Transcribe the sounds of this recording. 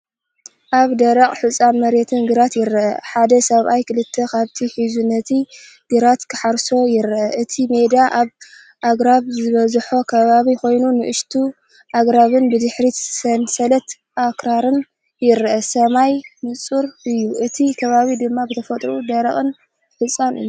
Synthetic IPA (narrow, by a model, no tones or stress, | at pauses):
ʔaβd̪ɐɾɐχʼħusʼanmɐɾet̪ʰɨnɡɨɾat̪jɪɾɐʔɐħad̪ɐsɐβʔajkɨlɨt̪ʰːekʰaβt̪ʰiħizunːɐt̪ʰi | ɡ̥ɨɾat̪kʰɨ̥ħaɾso̞jɪɾʔɐʔɨt̪ʰime̞d̪aʔaβ | ʔaɡɾaβzɨβɐzɨħo̞kʰɐβaβiko̞jnunɨʔɨʃt̪ʰu | ʔaɡɾaβɨnbɨd̪ɨħɾisɐnsɐlɐt̪ | ʔakɾaɾɨn | jɪɾʔɐsɐmajmɨt͡sʼuɾʔɨjːuʔɨt̪ʰikʰɐβaβid̪ɨmːabɨt̪ʰɐfɐt̪ʼɾud̪ɐɾɐkʼɨn | ħɨsʼanɨ̰jː